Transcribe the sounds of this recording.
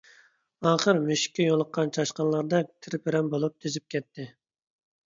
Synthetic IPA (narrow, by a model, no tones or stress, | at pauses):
ɑːχəɾmyʃɪ̥kʲːɛjolˠəqʰːɑnt͡ʃʰɑʃqɑnlˠɑɾd̪ɑt̪ʰɪɾpɪɾɛmbolˠup̚t̪ʰezɪp̚kʲɛt̪ʰːɪ